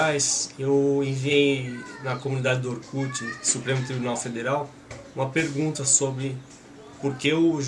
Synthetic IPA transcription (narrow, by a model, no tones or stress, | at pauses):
ajsewẽviejnɐkomunid̪ad͡ʒɪd̪ʊoɾkut͡ʃɪsupɾẽmʊt̪ɾibunawfed̪eɾaw | ũmɐpeɾɡũt̪ɐsobɾɪ | poɾkeʊʒ